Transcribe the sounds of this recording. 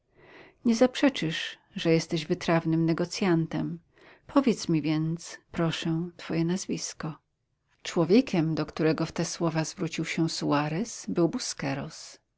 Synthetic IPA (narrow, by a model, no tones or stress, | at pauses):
ɲɛzapʂɛt͡ʂɘʂ | ʐɛjɛst̪ɛʑvɘt̪ɾavnɘmnɛɡɔt̪sʲjant̪ɛm | pʰɔvʲjɛt̪smʲivʲjɛnt̪spɾɔʂɛ̃t̪fɔjɛnazvʲiskɔ | t͡ʂwɔvʲjɛkʲɛmd̪ɔkt̪uɾɛɡɔft̪ɛswɔvazvɾut͡ɕiwɕɛsuaɾɛsbɘwbuskɛɾɔs